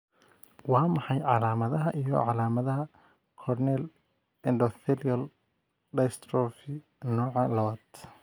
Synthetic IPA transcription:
wɑːmɑħɑjʕɑlaːmɐðɐɦɐʔijɔ̰ʕɑlaːmɐðɐɦɐ | kʰɔrnɛl | ɛndɔθɛliɐl | ɖɐst̪ɾɔfɪ | nɔːʕɑlɐwɐd̪

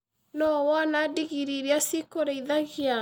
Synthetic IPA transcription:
nɔwanadiɣiɾiɾiasiekoɾeiðaɣia

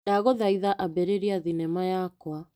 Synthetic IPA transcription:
jaɣoðaiðaʔabɛɾeɾiaðinɛmajakwa

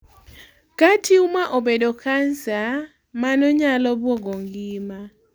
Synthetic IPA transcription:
katʰiumaʔobedokʰansa | manɔɲalɔbwɔɡɔŋɡɪma

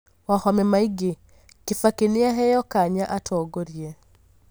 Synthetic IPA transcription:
wahɔmɛmaiɡe | kɪfakenɪaɦɛjɔkaɲaʔatʰɔːɡoɾie

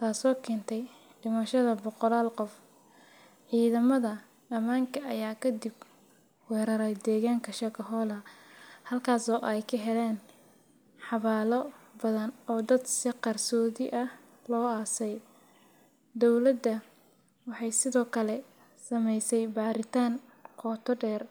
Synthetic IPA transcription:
t̪ʰaːsɔːkʰɛːnt̪ʰɛj | ɖɪmɐʃɐðɐbɔqɔlaːlqɔf | ʕiːðɐmɐðɐ | ɐmaːŋkʰɐʔɐjaːkʰɐd̪ɪb | wɛːɾɐɾɛjd̪ɛːɣaːŋkʰɐʃɐkʰɐɦɔːlɐhɐlkʰaːsɔːʔɛjkʰɐɦɛlɛːn | ħɑβaːlɔbɐðɐnɔːd̪ɐd̪sɪqɑrsɔːðɪʔɐh | lɔːaːsɛj | d̪ɔwlɐd̪ɐ | wɑħɑjsɪðɔːkʰɐlɛ | sɐmɛjsɛjbaːɾɪt̪ʰaːn | kʰɔːt̪ʰɔɖɛːr

